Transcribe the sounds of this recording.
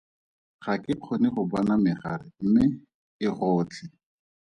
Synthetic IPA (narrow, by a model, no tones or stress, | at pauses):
χakɪq͡χʰonɪχʊbɔnamɪχarɪ̰m̩mɪ | ɪχɔːt͡ɬʰɪ